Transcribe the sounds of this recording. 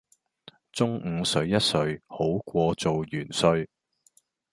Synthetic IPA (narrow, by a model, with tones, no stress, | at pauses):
t͡sʊ˥ŋ̩˨˧sɵ˨˧˥ɥjɐ˥t̚sɵ˨˧ɥho˨˥wkʷɔː˧t͡so˨wjyː˨˩nsɵ˧ɥ